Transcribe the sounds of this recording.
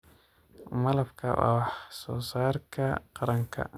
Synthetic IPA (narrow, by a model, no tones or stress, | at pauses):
mɐlɐbkʰɐwa̰wɑħsɔːsaːrkʰɐqɑɾɐŋkʰɐ̰